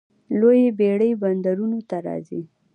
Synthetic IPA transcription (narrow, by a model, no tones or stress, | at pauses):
lojebeɽəjband̪aɾunot̪aɾɑ̰zḭ